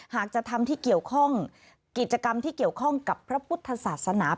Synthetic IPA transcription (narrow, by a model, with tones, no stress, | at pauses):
haː˨˩k̚t͡ɕa˨˩t̪ʰa˧mt̪ʰiː˥˩ki˨˩əwkʰɔ˥˩ŋ | ki˨˩t̪̚t͡ɕa˧ka˧mt̪ʰiː˥˩ki˨˩əwkʰɔ˥˩ŋka˨˩pʰːɾa˦˥pʰu˦˥t̪ʰːa˧saː˨˩t̪̚sa˧naː˩˦